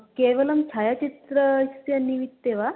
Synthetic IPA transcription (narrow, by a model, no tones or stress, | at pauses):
keʋələmt͡ɕʰajat͡ɕit̪ɾəst̪eɐniʋit̪ːeʋa